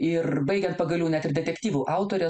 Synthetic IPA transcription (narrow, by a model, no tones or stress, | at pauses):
ɪrbɐɪɡʲɛnt̪̚pɐɡɐlʲuːnʲɛt̪ɪɾd̪ʲɛt̪ʲɛkt̪ʲiːʋuʔɐˑʊt̪oːɾʲɛ